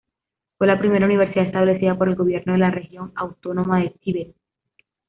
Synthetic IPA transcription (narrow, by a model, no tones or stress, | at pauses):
fwe̞lapɾime̞ɾauniβe̞ɾsiðaest̪aβle̞θiðapo̞ɾe̞lɡo̞β̞je̞ɾno̞ðe̞lare̞xjo̞ŋawt̪o̞no̞maðetiβe